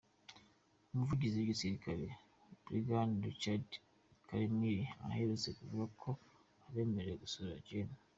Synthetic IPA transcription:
umuvuɟiziβɡisiɾikʰaɾḛ | b̥ɾiɡanit͡ʃad | kaɾeniɾia̰heɾut͡se̞kuvuɡakʰo̞ | aβe̞ːmeɾejeɡusuβiɾa̰ɟena

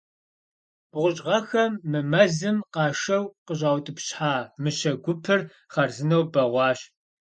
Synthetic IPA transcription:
b̥ʁʷʊɕʼʁɐxɐmːɨmɐzɨmqɑːʂɐwqəʑaːwtʼɨpɕħaːmɨɕɐɡʷʊpʰɨr | χɐrzɨnɐwbɐʁʷɑːɕ

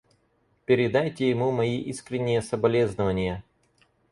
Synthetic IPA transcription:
pʲɪɾʲɪd̪ajtʲɪjɪmumɐiʔiskɾʲɪnʲːɪjəsəbɐlʲeznəvənʲɪjə

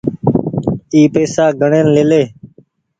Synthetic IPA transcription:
iːpeːsaːɡʱəɳẽːnleːleː

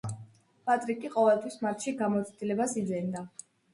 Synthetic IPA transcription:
pʼat̪ʼɾikʼiqʼɔvɛlˠt̪ʰwismaɾt̪ʃiɡamɔt̪sʰd̪ilɛbasid̪zɛnd̪a

